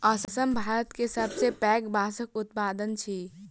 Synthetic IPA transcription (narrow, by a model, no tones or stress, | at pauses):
əsəsəmbʱaːɾət̪kesəbsepɛːɡbaːsəkʊt̪̚paːd̪ənt͡ʃʰi